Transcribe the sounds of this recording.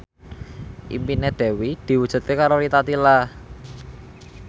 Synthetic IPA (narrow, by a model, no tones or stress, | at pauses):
ʔḭmpined̪̥ɛ̤wid̪̥i̤wud̥ʒ̥ṳt̪̚kekaɾoɾit̪at̪ila